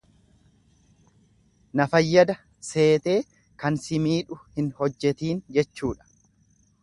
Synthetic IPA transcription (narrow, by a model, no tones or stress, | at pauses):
nɐfɐjːɐd̪ɐ | se̞ːt̪e̞ː | kɐnsɪmiːᶑʊhɪnhɔd͡ʒːɛt̪iːnd͡ʒɛt͡ʃːuːᶑɐ̥